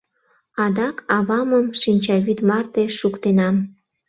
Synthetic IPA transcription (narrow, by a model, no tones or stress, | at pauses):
ɑd̪ɑkɑβɑməmʃinʲt͡ɕɑβyt̪mɑrt̪eʃukt̪enɑm